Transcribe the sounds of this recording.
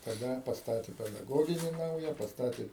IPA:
tɐˈdɐ pɐsˈtɑːtʲeː pʲɛdɐˈɡoːɡʲɪnʲɪ ˈnɐʊjɛ pɐsˈtɑːtʲeː

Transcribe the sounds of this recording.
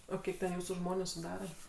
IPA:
oː ˈkʲiɛk tʲɛn ˈjuːsuː ˈʒmoːnʲuː sʊˈdɑːrɐ

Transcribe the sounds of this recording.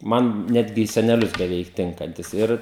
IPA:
ˈmɐn ˈnʲæːdʲɡʲɪ iː sʲɛnʲɛˈlʲʊs bʲɛˈʋʲɛɪk ˈtʲɪŋkɐnʲtʲɪs ˈɪr

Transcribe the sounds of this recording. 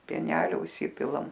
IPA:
pʲiɛˈnʲæːlʲoː ʊʃʲˈsʲɪpʲɪlˠɐm

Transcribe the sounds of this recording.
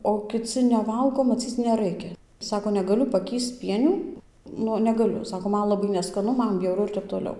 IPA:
oː kʲɪˈt͡sʲɪ nʲɛˈʋɐlˠɡoː mɐˈt͡sʲiːt͡s nʲɛˈrɐɪkʲɛ ˈsɑːkoː nʲɛˈɡɑːlʲʊ pɐˈkʲiːst͡s ˈpʲiɛnʲuː ˈnʊ nʲɛˈɡɑːlʲʊ ˈsɑːkoː ˈmɐn lˠɐˈbɐɪ nʲɛskɐˈnʊ ˈmɐn bʲjɛʊˈrʊ ɪr ˈtʲɛp toːˈlʲɛʊ

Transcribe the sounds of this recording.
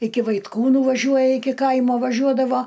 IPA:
ˈɪkʲɪ ʋɐɪtˈkuːnuː ˈʋɑːʒʲuɔjɛ ˈɪkʲɪ ˈkɐɪmoː ʋɐˈʒʲuɔdɐʋoː

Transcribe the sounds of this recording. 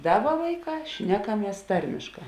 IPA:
ˈdɑːˌbɐ ˈʋɐɪˌkɑː ˈʃʲnʲæːkɐˌmʲiɛs ˈtɐrʲmʲɪʃˌkɑː

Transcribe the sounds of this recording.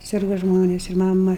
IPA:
ˈsʲɪrɡɐ ˈʒmoːnʲeːs ɪr ˈmɑːmɐ

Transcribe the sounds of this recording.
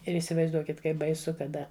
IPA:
ɪr iːsʲɪʋɐɪzˈduɔkʲɪt ˈkɐɪp bɐɪˈsʊ kɐˈdɐ

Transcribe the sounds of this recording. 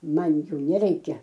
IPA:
ˈmɐn ˈjuː nʲɛˈrʲɛɪkʲɛ

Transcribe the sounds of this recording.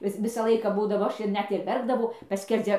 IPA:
ˈʋʲɪs ˈʋʲɪsɑː ˈlˠɐɪkɑː ˈbuːdɐʋoː ˈɐʃ ɪr ˈnʲɛt ɪr ˈʋʲɛrɡdɐʋɐʊ ˈpɑːsʲkʲɛrʲd͡zʲɛ

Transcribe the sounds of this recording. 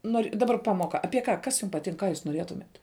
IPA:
ˈnoːrʲ dɐˈbɐr ˈpɑːmoːkɐ ˈɑːpʲiɛ ˈkɐ ˈkɐs juːm pɐˈtʲɪŋk ˈkɑː juːs noːˈrʲiɛtʊmʲɛt

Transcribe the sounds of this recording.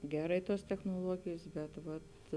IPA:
ˈɡʲæːrɐɪ ˈtuɔs tʲɛxnuɔˈlˠuɔɡʲeːjs ˈbʲɛt ˈʋɐt

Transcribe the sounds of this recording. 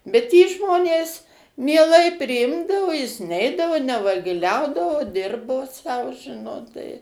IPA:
bʲɛt jiː ˈʒmoːnʲeːs mʲiɛˈlˠɐɪ pʲrʲɪˈɪmdɐʋoː jɪs ˈnʲɛɪdɐʋoː nʲɛʋɐɡʲɪˈlʲɛʊdɐʋoː ˈdʲɪrboː sɐʊ ˈʒʲɪnoːt tɐɪ

